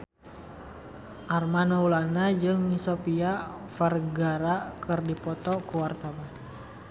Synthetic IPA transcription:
ʔarmanɔulanad͡ʒɨŋisopia | farɡaɾakɨrdipɔt̪ɔkuwart̪awan

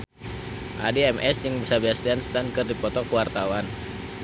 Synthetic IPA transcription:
ʔa̰diɛmʔɛsd͡ʒɨŋbisarbiast̪ianst̪ankɨrdipɔt̪ɔkəwart̪awan

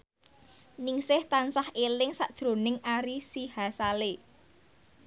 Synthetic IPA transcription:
nɪŋsɪht̪ansahʔelɪŋsaʔd̥ʒ̥ɾo̤nɪŋaɾisihasale

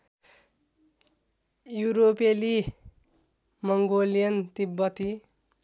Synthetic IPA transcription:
juɾopeli | mʌŋɡolijʌnt̪ibːʌt̪i

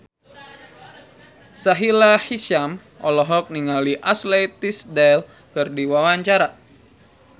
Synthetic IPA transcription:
saɦilahisam | ʔɔlɔɦɔk̚niŋaliʔaslet̪isdɛl | kɨrdiwawaɲt͡ʃaɾa

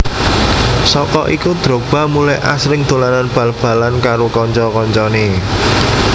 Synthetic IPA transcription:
sɔkɔ̰ʔikud̪̥ɾo̤b̥a̤mulajʔa̰sɾɪŋd̪̥o̤lananb̥ä̤lb̥ä̤lankaɾokɔɲt͡ʃɔkɔɲt͡ʃɔne

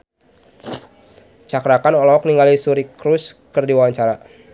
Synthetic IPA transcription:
t͡ʃakɾakanɔlɔɔkniŋalisuɾikɾuskərdiwawaɲt͡ʃaɾa

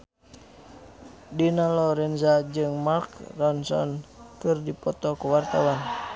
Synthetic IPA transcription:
dinalɔɾɛnzad͡ʒɨŋmalkrɔnsɔ̰nkɨrdipɔt̪ɔkuwart̪awan

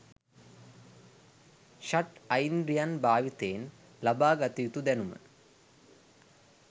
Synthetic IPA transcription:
ɕɐʈɐjnɾijanbaːʋit̪eːn | lɐbaːɡɐt̪ːit̪ud̪enumɐ̰n

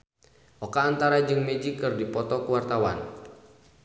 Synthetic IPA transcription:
ʔɔkaːnt̪aɾad͡ʒɨŋmɛd͡ʒikːɨrdipɔt̪ɔkuwart̪awa̰n

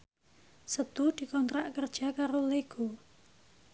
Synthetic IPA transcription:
sət̪ud̪̥i̤kɔnt̪ɾaʔkərd̥ʒ̥a̤kaɾoleɡ̥o

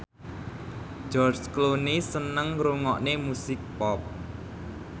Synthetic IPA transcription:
d͡ʒ̥ɔrt͡ʃklonisənəŋɾuŋɔʔnemusɪk̚pɔp̚

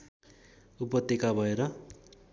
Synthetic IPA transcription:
upʌt̪ːekabʱʌeɾʌ

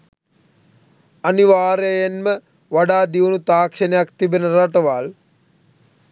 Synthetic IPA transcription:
ɐniʋaːɾejenmə | ʋaɖaːd̪iunut̪aːkʂənejakt̪ibenəɾaʈəʋal

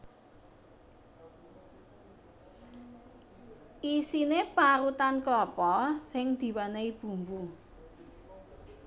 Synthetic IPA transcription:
ʔisinepaɾut̪anklɔpɔsɪŋd̪̥i̤wanaib̥ṳmbu

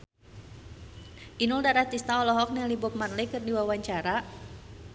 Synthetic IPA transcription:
ʔinuldaɾat̪ist̪aɔlɔɦɔk̚nalibʊp̚manlekɨrdiwawaɲt͡ʃaɾa

